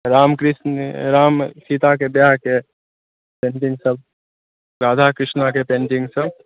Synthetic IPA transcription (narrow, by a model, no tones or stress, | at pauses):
ɾaːmkɾɪsnɾaːmsit̪akebjaɦke | pẽːɳʈɪ̃ŋɡsəb̚ | ɾaːd̪ʱakɾɪʃnakepẽːɳʈɪ̃ŋɡsəb